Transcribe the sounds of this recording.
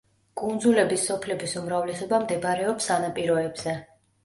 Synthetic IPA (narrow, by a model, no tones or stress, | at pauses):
kʼund̪zulɛbisːɔpʰlɛbisumɾavlɛsɔbamd̪ɛbɾɛɔpsanapʼiɾɔɛbz̥ɛ